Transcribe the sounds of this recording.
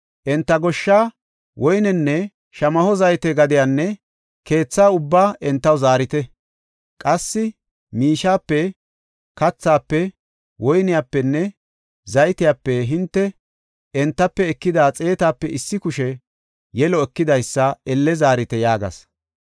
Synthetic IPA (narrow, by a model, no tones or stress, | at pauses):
ʔɛnt̪ːɐɡɔʃːaː | wɔjnɛnːɛ | ʃɐmɐhɔzɐjt̪ɛɡɐd̪ɪjanːɛ | ke̞ːt͡sːaːʊbːaːʔɛnt̪ːɐwzaːɾɪt̪ɛ | kʼɐsːɪ | miːʃaːpːɛ | kɐt͡sːaːpːɛ | wɔjnɪjaːpːɛnːɛ | zɐjt̪ɪjaːpːɛɦɪnt̪ːɛ | ɛnt̪ːɐpːɛːɛkːɪd̪aːt͡sʼe̞ːt̪aːpːɛʔɪsːɪkʊʃɛ | jɛlɔɛkːɪd̪ɐjsːɐɛlːɛzaːɾɪt̪ɛjaːɡɐ̰s